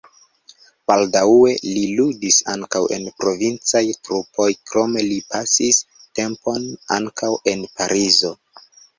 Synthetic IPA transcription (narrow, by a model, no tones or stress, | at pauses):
b̥aldawe̞liludisa̰ŋkawe̞̰npɾo̞vint͡sajtɾupʰo̞jkɾo̞me̞lipasis | te̞mpo̞na̰ŋkʰawe̞npaɾʔizo̞